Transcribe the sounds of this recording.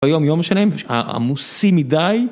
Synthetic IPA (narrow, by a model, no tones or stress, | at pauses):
ajo̞mjomʃanimva̰a̰musimidaj